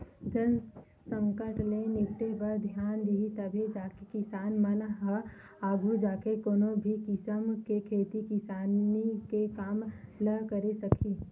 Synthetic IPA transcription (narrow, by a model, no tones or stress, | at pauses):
d͡ʒən | sə̃ŋkəɾʈlenɪkʈebəɾd̪ʱjaːnd̪iɦit̪əbʱid͡ʒaːkekɪsaːnmənɦə | aːɡʱud͡ʒaːkekoːnobʱikɪsəmkekʰeːt̪ikɪsaːnikekaːmləkəɾesəkʰiː